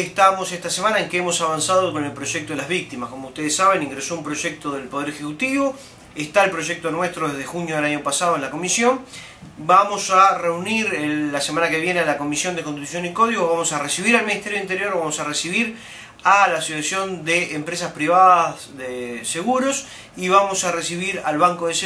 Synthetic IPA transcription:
eht̪amo̞seht̪asemanaeŋkeemo̞saβansaðoko̞nelpɾo̞ʒek̚t̪o̞ðelaβik̚t̪imasko̞mout̪e̞ðesaβe̞nĩŋɡɾeso̞umpɾo̞ʒek̚t̪oðe̞lpo̞ð̞eɾexekut̪iβo̞ | eht̪aelpɾoʒek̚t̪o̞nweht̪ɾoðeðexunjoðelaɲo̞pasaðoenlako̞misjo̞n | bamo̞sare̞uniɾeːasemãnakeβje̞nealako̞misjo̞nd̪ekont̪it̪us̬jo̞niko̞ðiɣo̞βamo̞saresiβiɾalminiht̪eɾjo̞int̪eɾjo̞ɾβamo̞saresiβiɾ | alaːsosasjo̞nd̪eːmpɾes̬aspɾiβaðas | ðeseɣuɾos | iβamo̞saresiβiɾalβaŋkoðes

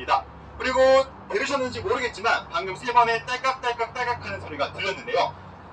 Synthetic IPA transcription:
ida | kɯɾiɡo | teɾɯɕʰʌnːɯnd͡ʑimoɾɯɯɡe̞t̚t͡ɕ͈imankaŋɲɯŋsʰebame̞t͈aɭk͈ap̚t͈aɭk͈ak̚t͈aɭk͈apkʰanɯnsʰʌɾiɡatɯɭːʌnːɯnde̞jo

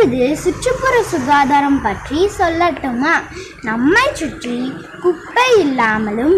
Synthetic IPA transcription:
ɯðɯsʊʈt͡ʃɯpːʊɾɐsʊɣaːðaːɾɐmpɐʈrisɔlːɐt̪ːɯmaː | nɐmːɐɪt͡ʃːʊʈri | kʊpːɐɪlːaːmɐlɯm

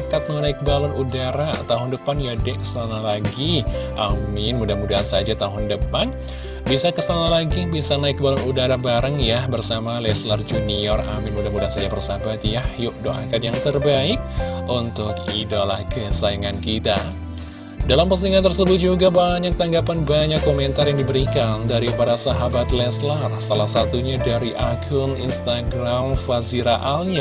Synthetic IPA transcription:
kat̪̚mŋanaɪk̚balɔnudaɾat̪aɦʊndəpanjadɛʔkə̥səlanalaɡiʔammɪnmudamudaɦasad͡ʒat̪aɦʊndəpan | bisakəsanalaɡibisanaɪk̚balɔnudaɾabaɾəŋjahbərsamalɛslard͡ʒuniɔramɪnmudamudansad͡ʒabərsabat̪jahjʊʔ̚do̰ʔa̰kat̪jaŋt̪ərbaɪk̚unt̪ʊkḭdalahkəsajaŋankit̪a | dalampəsiŋant̪ərsəbʊt̪̚d͡ʒuɡabaɲak̚t̪aŋɡapanbaɲakːomɛnt̪arjaŋdibəɾikandaɾipaɾasaɦabat̪lɛslarsalahsat̪uɲadaɾiʔakʰʊnḭnst̪aɡɾamfaziɾaʔalia

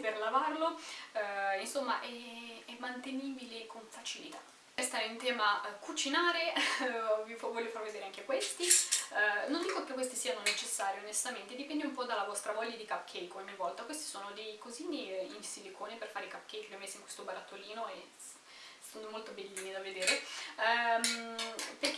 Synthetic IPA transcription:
perlavarlo | insomːaʔɛɛmːant̪eniːbilekoɱfat͡ʃilḭt̪a̰ | ɛst̪aeint̪ɛːmakut͡ʃinaːɾe | vivɔːlːjofarved̪eːɾeaŋkekwest̪i | nond̪iːkokekːwest̪isiːanonet͡ʃesːaːɾjoonest̪ament̪ed̪ipɛnd̪eumpɔd̪alːavɔst̪ɾavɔʎːad̪ikapːkʰɛjkoaɲːivɔlt̪akwest̪i̥soːnod̪ejkoziːniinsilekʰoːneperfaːɾekapkejkelomesːeiŋkwest̪obaɾat̪ːoliːnoe | sandomolt̪obelːiːnid̪aved̪eːɾe | mperk

